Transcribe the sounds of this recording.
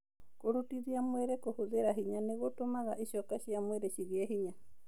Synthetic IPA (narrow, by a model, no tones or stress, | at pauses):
koɾutiðiamweɾekohoðeɾaɦiɲaneɣotomaɣaʔiʃɔkaʃiamweɾeʃiɣiaɦiɲa